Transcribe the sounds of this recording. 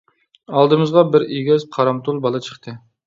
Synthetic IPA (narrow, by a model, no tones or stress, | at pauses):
ɑlˠd̪ɨmɨzʁɑbɪɾeɡʲɛzqʰɑɾɑmt̪ʰulˠbɑlˠɨt͡ʃʰə̥χt̪ʰɨ